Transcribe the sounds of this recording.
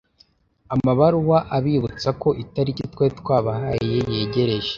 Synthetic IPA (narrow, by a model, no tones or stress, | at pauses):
amaβaɾuwaʔaβiβut͡sako̞ʔitaɾicitwetkwaːβahajije̞je̞ːɟe̞ɾe̞ʒe̥